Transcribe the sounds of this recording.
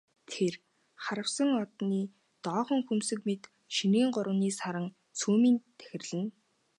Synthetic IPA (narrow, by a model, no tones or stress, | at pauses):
t̪ʰer | χaɾə̆wsə̆ŋɔt̪niː | t̪ɔːχɞ̆ŋxumsɘ̆kmet̪ | ʃiniːɴɢʊɾə̆wniːsaɾə̆ŋ | t͡sʰuːmiːnt̪ʰæ̥xʲɪ̆rɮɘ̆n